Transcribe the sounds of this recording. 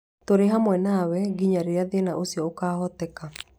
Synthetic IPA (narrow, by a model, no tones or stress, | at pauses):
toɾeɦamwɛnawɛɡiɲaɾeɾeaðenaʔosiɔokaːɦɔtɛka